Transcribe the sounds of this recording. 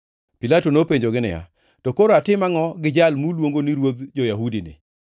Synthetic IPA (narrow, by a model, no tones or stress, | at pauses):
pilatonopeɲd͡ʒoɡɪnɪ̰ja̰ | tɔkoɾoatɪmaŋɔɡɪd͡ʒalmulwoŋɡoniɾwod̪d͡ʒojaɦudinɪ̰